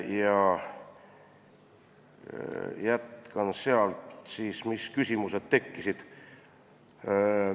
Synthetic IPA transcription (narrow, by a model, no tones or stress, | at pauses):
jɑ | jæt̪kɑnseɑlt̪siːsmiskysʲimuse̞d̪̥t̪e̞kːisid̪̥